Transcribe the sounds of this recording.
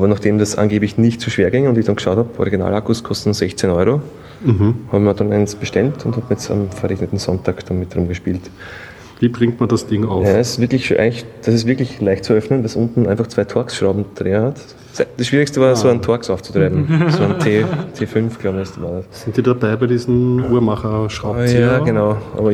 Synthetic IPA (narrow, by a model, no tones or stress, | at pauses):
ʔaːbɐnaχd̥eːmdasʔa̰nɡeːblɪçnɪçtt͡suːʃv̥eːɐɡɪŋəʊndɪçd̥anɡəʃaʊthabʔɔ̰ʁiɡina̰ːlakʊskʰɔstnz̥ɛçt͡senɔʏʁo | ɦ̩haːbəadanɛ̰ɪnsb̥əʃtɛltʰʊnthaːbɛsa̰mfɛɐʁeçnətn̩z̥ɔntʰaːkd̥anmɪt̚dʁʊmɡəʃpiːlt | viːbʁɪŋk̚tmandasd̥ɪŋaʊjaɪsv̥ɪɐklɪçʃo̰ʔæ̰ɪŋɪçd̥ɐsɪs̬v̥ɪɐklɪçlaɪçtt͡sʊœfnənvɛsʊntn̩ʔaɪnfaχt͡svaɪtʰɔɐksʃʁɑʊbm̩d̥ʁeːəhat | sd̥ɐsʃv̥iːʁɪkstəvaɐsoːantʰɔɐksaʊt͡su̥tʁ̥eːbm̩soantʰeːtʰeːfʏnfɡ̥laʊbəastvaːɐdassɪntːiːdabaɪbaɪdiːzn̩uɐmaχɐʃʁaʊjaːɡənaʊʔa̰ːbɐ